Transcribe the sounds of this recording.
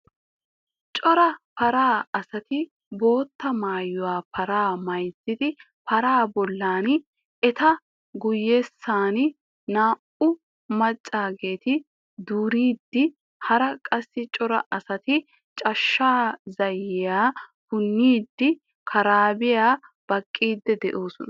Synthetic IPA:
t͡ʃʼɔɾɐpɐɾaːɐsɐt̪ɪ | bo̞ːt̪ːɐmaːjːʊwaːpʰɐɾaːmɐjzɪd̪ɪ | pɐɾaːbɔlːaːn | ɛt̪ɐ | ɡʊjːeːsːaːn | naːʔʊ | mɐt͡ʃʼːaːɡe̞ːt̪ɪ | d̪uːɾiːd̪ːɪ | hɐɾɐkʼɐsːɪt͡ʃʼɔɾɐ̰ʔɐsɐt̪ɪ | t͡ʃʼɐʃːaːzɐjːɪjaːbʊnːiːd̪ːɪ | kʰɐɾaːbɪjaːb̥ɐkʼːiːd̪ːɛd̪ɛʔoːsʊnɐ

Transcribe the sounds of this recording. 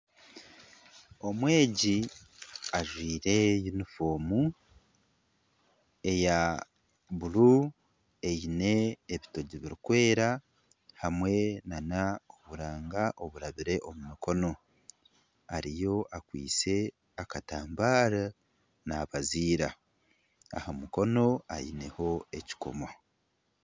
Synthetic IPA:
o̞mwe̞ːɟi | aʒwiːɾe̞junifo̞ːmu | e̞ja | βulu | e̞jine̞ːβito̞ɟiβiɾikwe̞ːɾa | hamwe̞nanaoβuɾaːŋɡaʔo̞βuɾaβiɾe̞ʔomumikʰo̞no̞ | aɾijo̞ʔakwḭːt͡se̞ | akataːmbaːɾa | naːβaziːɾa | a̰hamuko̞no̞a̰jine̞ho̞e̞ci̥ko̰ma

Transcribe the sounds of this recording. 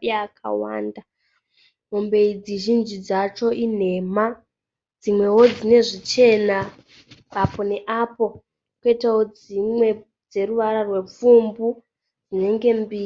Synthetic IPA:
akʰa̰wa̰ːnda | ɦombe̞id͡ziʒind͡ʒid͡zat͡ʃo̞ʔin̤e̞ːma | d͡zimwe̞wo̞d͡zine̞ʐit͡ʃe̞na | apo̞ne̞ʔapo̞ | ketaod͡zimwe̞ | d͡ze̞ɾuʋaɾarwe̞p͡fumbu | d͡zine̞ŋɡe̞mbiː

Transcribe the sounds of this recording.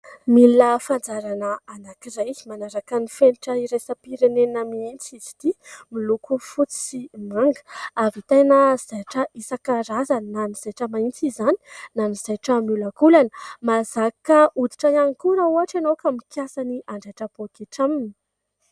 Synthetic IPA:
miləfand͡zaɾanəːnakizajmanaɾakənifeniʈ͡ʂəiɾesəpiɾenenamiint͡sizi̥d̪̥imilukufut͡si̥simaŋɡə̥avit̪ajnəz̥aʈ͡ʂəisakaɾazənaniz̥ajʈ͡ʂəmaint͡sizani̥naniz̥ajʈ͡ʂəmjulakulanə̥mazakəud̪iʈ͡ʂajanikuɾauaʈ͡ʂanowkamikjasaniʔaɳɖ͡ʐaʈ͡ʂəb̥okeʈ͡ʂamini̥

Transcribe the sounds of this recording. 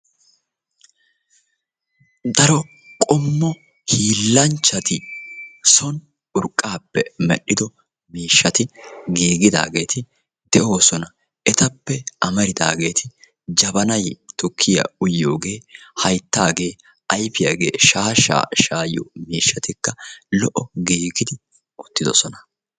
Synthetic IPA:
d̪ɐɾɔ | kʼɔmːɔ | hiːlːɐnt͡ʃːɐt̪ɪ | sɔn | ʊɾkʼːaːpːɛmɛ̰ɗɪd̪ɔ | miːʃːɐt̪ɪɡeːɡɪd̪a̰ːɡe̞ːt̪ɪ | d̪̥ɛʔo̞ːsɔnɐ | ʔɛt̪ɐpːɛʔɐmɐɾɪd̪a̰ːɡe̞ːt̪ʰɪ | d͡ʒɐbɐnɐjt̪ʊkʰːɪjɐ̰ʊjːo̞̰ːɡe̞ːhɐjt̪ːaːɡe̞ː | ʔɐjfɪjɐɡe̞̰ːʃaːʃa̰ːʃaːjɔ̰miːʃːɐt̪ɪkːɐlɔʔɔɡeːɡɪd̪ɪ | ɔt̪ːɪd̪ɔsɔnɐ

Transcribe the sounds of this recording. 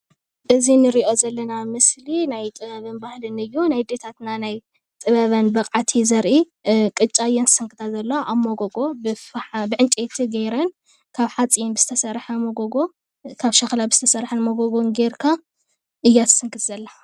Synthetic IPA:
ʔɨzinɨɾiʔo̞zɐlːɐnamɨslinajt̪ʼɨβɐβɨnbahlɨnɨjːunajd̪et̪ʰat̪nanaj | t̪ʼɨβɐβɐnbɐqʼʕat̪ʰizɐɾʔi | kʼɨt͡ʃʼaɨjːɐnzɨsɨŋkʰʼɨt̪ʰazɐlːoʔaβmoɡoɡobɨħabɨʕɨnt͡ʃʼet̪ʰiɡɐjɾɐn | kʰaβħat͡sʼijnbɨzɨt̪ʰɐsɐɾħɐmoɡoɡo | kʰaβʃɐxlabɨz̥ɨt̪ʰɐsɐɾħɨnmoɡoɡonɡeɾkʰa | ʔɨjːat̪ʰɨ̥sɨŋkʰʼɨt̪zɐlːa

